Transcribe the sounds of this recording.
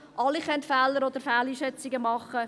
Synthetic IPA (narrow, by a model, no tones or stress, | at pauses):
ʔɑliχœntfɛːləɾɔd̪əɾfɛːliːʃɛt͡sɪɡəmɑχːə